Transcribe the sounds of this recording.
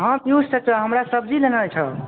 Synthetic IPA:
ɦə̃p̪just͡ʃʰət͡ʃəɦəmɾasəb̚d͡ʒilenalt͡ʃʰə

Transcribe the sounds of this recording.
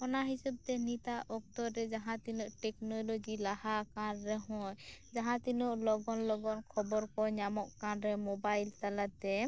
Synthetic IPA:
ɔnaɦisɔb̚t̪ɛnit̪aʔɔk̚t̪ɔɾɾɛd͡ʒaɦãt̪inuʔʈɛknɔlod͡ʒilahakanɾɛɦɔ̃jd͡ʒaɦãt̪inɔʔlɔɡɔnlɔɡɔnkʰɔbɔɾkɔɲamɔʔkanɾɛmɔbajlt̪alat̪ɛ

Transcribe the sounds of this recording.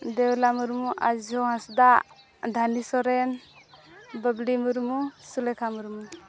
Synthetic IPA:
d̪ɛwlamuɾmuʔa̰d͡ʒɔɦãsd̪a | d̪ʱanisɔɾɛn | bəblimuɾmusulɛkʰamuɾmu

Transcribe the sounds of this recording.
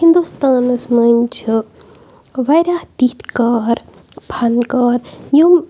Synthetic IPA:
hind̪ust̪aːnɐsmɐnʲt͡ʃʰɨ | ʋɐjɾaːht̪it̪kaːɾ | pʰɐnkaːɾjum

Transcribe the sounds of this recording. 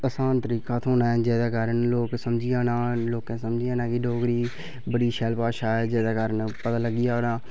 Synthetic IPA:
əsaːnt̪əɾiːkaːt̪ʰoːnaːɛːd͡ʒɛːd̪aːkaːɾənloːksəmd͡ʒɪjãːnaːloːkãːsəmd͡ʒijaːnãːkɪɖoːkɾiː | bəɽiːʃɛlpaːʃaːɛːd͡ʒɛːd̪aːkaːɾənpət̪aːləɡːijaːnaː

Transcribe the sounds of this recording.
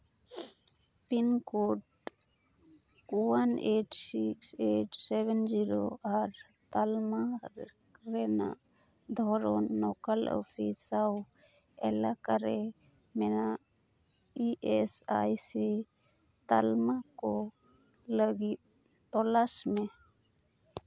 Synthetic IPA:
pinkoʈ | waneʈsikseʈsɛbɛnd͡ʒiɾoʔaɾ | t̪alma | ɾɛna̰ʔ | d̪ʱɔɾɔnːɔkalɔ̰pʰisaw | ɛlakaɾɛ | mɛnaʔ | iʔɛsa̰jsi | t̪almakɔ | ləɡit̪̚ | t̪ɔlasmɛ

